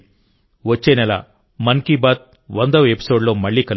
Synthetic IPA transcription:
ʋɐt͡ʃːeːnɛlɐ̰ | mɐŋkibaːt̪̚ | ʋɐnd̪ɐʋepi̥so̞ːɖlo̞ːmɐɭːiːkɐl

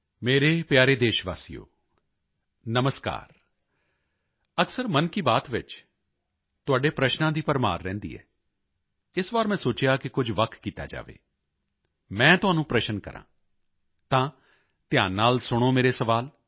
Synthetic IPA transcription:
meːɾeːpjaːɾeːd̪eːʃʋa̰ːsijo̰ː | nəməska̰ːɾ | əksəɾmənkiːbaːt̪ʋɪt͡ʃ | t̪ʊaːɖeːpɾəʃnãːd̪iːpəɾma̰ːɾːɛ̰̃ːnd̪ḭːɛ̰ː | ɪsʋaːɾmɛ̃ːsoːt͡ʃjaːkɪkʊd͡ʒʱʋək̪ʰkiːt̪a̰ːd͡ʒa̰ːʋḛː | mɛ̃ːt̪ʊɦãːnũːpɾəʃənkə̰ɾʔã̰ː | t̪ãː | t̪ɪjãːnaːlsʊɽ̃oːmeːɾeːsəʋaːl

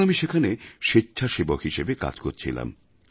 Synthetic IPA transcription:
amiʃekʰaneʃitːɕʰaʃebokɦiʃebeka̰d͡ʑkoɾt͡ɕʰḭla̰m

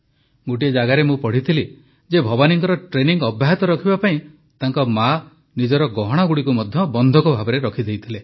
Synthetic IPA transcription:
ɡuʈ̬ied͡ʒaɡaɾemũpɔɽ̤it̪ʰili | d͡ʒebʱɔbaniŋkɔɾɔʈɾeniŋɡɔbːaɦit̪ɔɾɔkʰibapaĩ | t̪aŋkɔma | nid͡ʒɔɾɔɡɔɦɔɽ̃aɡuɽikumɔd̪ʱjɔbɔnd̪ʱɔkɔbʱabɔɾeɾɔkʰid̪ejt̪ʰile

